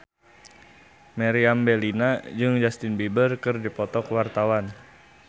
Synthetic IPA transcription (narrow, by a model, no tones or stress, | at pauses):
mɛɾiambɛlinad͡ʒɨŋd͡ʒast̪ɪnbibərkɨrdipɔt̪ɔkwart̪awan